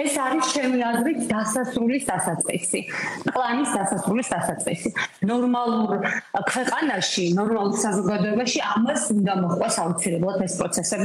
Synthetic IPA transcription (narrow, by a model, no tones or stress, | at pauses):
ɛsaɾist͡ʃʰɛmiazɾit̪ʰd̪asasɾulisd̪asat̪sʼqʼḭsiqʼlˠanisd̪asasɾulisd̪asat̪sʼqʼḭsinɔɾmalˠuɾkʰwɛqʼanaʃinɔɾmalˠuɾsazɔɡad̪ɔɛbaʃiamasund̪amɔχqʼɛsaut̪sʰilɛblˠat̪ʰɛspʼɾɔt̪sʰɛsɛbi